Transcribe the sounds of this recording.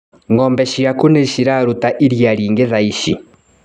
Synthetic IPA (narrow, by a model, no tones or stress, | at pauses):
ŋɡɔːmbɛʃiakuneʃiɾaɾutaʔiɾjaɾiːŋɡeðaiʃi